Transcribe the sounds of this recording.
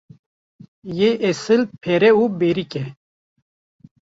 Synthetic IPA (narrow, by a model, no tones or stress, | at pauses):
jeʔesɨlpʰeɾeubeɾike